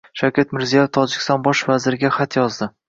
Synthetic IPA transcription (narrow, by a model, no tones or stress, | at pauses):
ʃawkʲat̪mɪɾzijɒjɪft̪ʰɒd͡ʒɪkʲɪst̪ɒnbɒʃvazɪɾɪɡʲaχat̪jɒzd̪ɪ